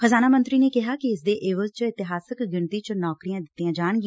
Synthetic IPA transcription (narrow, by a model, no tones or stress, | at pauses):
kʰəzaːnaːmənt̪ɾiːneːkɪɦaːkɪɪsd̪eːʔeːʋəlt͡ʃəɪt̪ɪɦaːsəkɡɪɳt̪iːt͡ʃənɔːkɾijãːd̪ɪt̪ːiãːd͡ʒaːɳ̃ɡɪ̃